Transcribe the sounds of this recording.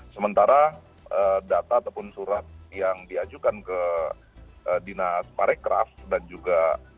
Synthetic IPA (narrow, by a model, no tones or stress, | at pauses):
səmənt̪aɾa | ʔədat̪aːt̪awpʊnsuɾat̪̚jaŋdiad͡ʒukankə | ʔədinaspaɾɛkɾa̰fdand͡ʒuɡa